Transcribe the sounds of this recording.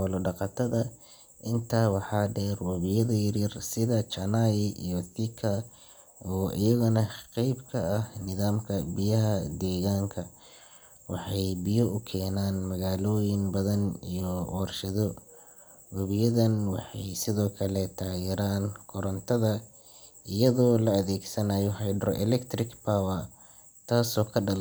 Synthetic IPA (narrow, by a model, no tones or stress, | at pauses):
ɔlɔɖɑqɑt̪ʰɐðɐ | ʔɪnt̪ʰaːwɑħɑːɖɛːrwɐβɪjɐðɐjɐɾjɪrsɪðɐt͡ʃɐnaːjɪʔijɔθɪkʰɐ | ɔːʔɪ̰jɐɣʊnɐqɛjbkʰɐɐhnɪðaːmkʰɐbɪjɐɦɐd̪ɛːɣaːŋkʰɐ | wɑ̰ħɑjbɪjɔʊkʰɛːnaːnmɐɣaːlɔːjɪŋbɐðɐnijɔɔːrʃɐðɔ | wʊβɪjɐðɐnwɑħɑjsɪðɔːkʰɐlɛt̪ʰaːjɛɾaːnkʰʊɾɐnt̪ʰɐðɐ | ʔɪjɐðɔːlɐɐðɛːɡsɐnaːjɔħɑjɖɾʔɛlɛkt̪rɪkpʰaːwɐ | t̪ʰaːsɔːkʰɐɖɐl